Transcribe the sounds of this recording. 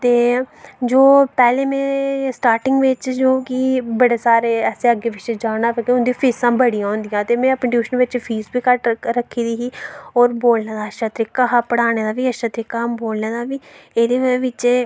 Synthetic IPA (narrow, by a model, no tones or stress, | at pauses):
t̪eːd͡ʒoːpɛːlẽːmẽːsʈaːɾʈɪŋɡʋɪt͡ʃd͡ʒoːkibəɽeːsaːɾeːɛːseːəɡeːʋɪt͡ʃd͡ʒaːɽaːpəɾkeʊnd̪ipʰiːsãːbəɽijãːõʊːnd̪ijãːt̪eːmɛ̃ːəpəɳʈjuːʃənʋɪt͡ʃpʰiːsbiːkəʈɾəkʰːiːd̪iːɦiːɔːɾboːlneːd̪aːəʃaːt̪ɾɪkːaɦapəɽaːneːd̪aːʋiːəʃaːt̪ɾɪkːaːboːlneːd̪aːʋiːeːd̪eːʋɪt͡ʃe